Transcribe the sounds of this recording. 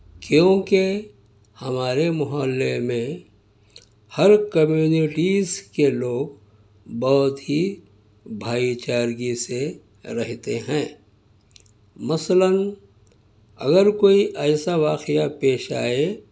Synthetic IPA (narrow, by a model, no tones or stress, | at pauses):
kjõːke | hɐmaːɾemʊɦaːlːemẽ | həɾkəmjuːnɪʈiːzkeloːɡ | bɔɦʊt̪ɦi | bʱaːit͡ʃaːɾɡise | ɾɐɦt̪eɦɛ̃ː | mɐslən | ɐ̰ɡəɾkoːiʔɛːsaʋaːqɪjapeːʃa̰ːe